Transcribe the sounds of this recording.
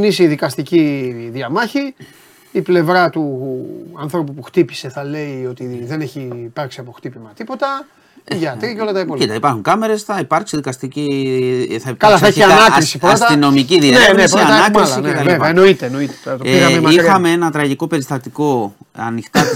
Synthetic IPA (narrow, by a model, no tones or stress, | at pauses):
nisiðikɐst̪iciðiɐmɐçiː | ple̞vɾɐt̪u | ɐnθɾo̞pupuxt̪ipi̥se̞θɐle̞io̞t̪iðe̞neçiːpɐɾksiɐpo̞xt̪ipimɐt̪ipo̞t̪ɐ | ʝɐt̪ɾiɐceolɐt̪ɐipoit̪ɐipɐɾxuŋkɐme̞ɾe̞sθɐipɐɾksiðikɐst̪ici | θɐipkɐlɐsɐeçiɐnɐɾisipɾost̪ɐino̞miciðiɐensiɐnɐkɾisineɐlvevɐɐenoit̪eeno̞it̪et̪oiɣɐmemixɐme̞enɐt̪ɾɐʝiko̞pe̞ɾist̪ɐt̪iko̞ɐ̰nixt̪ɐ